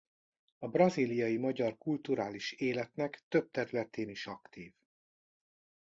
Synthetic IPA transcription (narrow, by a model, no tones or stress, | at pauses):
ɒbrɒziːlijɒjimɒɟɒrkult̪uɾaːliʃeːlɛt̪nɛkt̪ø̞b̚t̪ɛɾylɛt̪ʰeːniʃɒkt̪iːv